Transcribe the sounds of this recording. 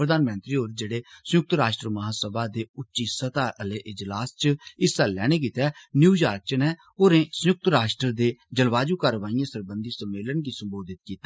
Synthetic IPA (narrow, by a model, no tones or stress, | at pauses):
ɾəd̪aːnmə̃nt̪ɾiːoːɾd͡ʒeːɽeːsəjʊk̚t̪ɾaːʃʈɾəməɦaːsəbaːd̪eːʊtːʃiːsət̪aːʔəleːʔɪd͡ʒlaːst͡ʃɪsalːɛ̰ːɽ̃eːk̬iːt̪ɛːnjuːjaːɾk̚t͡ʃəneː | oːɾẽːsəjʊk̚t̪ɾaːʃʈɾəɾd̪eːd͡ʒəlʋaːd͡ʒuːkaːɾəʋaːijãːsəɾbənd̪iːsəmːeːlənɡiːsəmboːd̪ɪt̪̚kiːt̪ːa